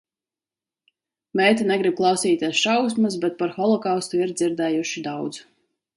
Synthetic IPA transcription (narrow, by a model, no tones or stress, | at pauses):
mɛːt̪ʲɛnɛɡɾib̚klˠɑwsiːt̪ʲeɛsʃawsmas̬bɛt̪̚paɾxɔlˠɔkawst̪uiɾd̪ziɾd̪ɛːjuʃid̪awd̪z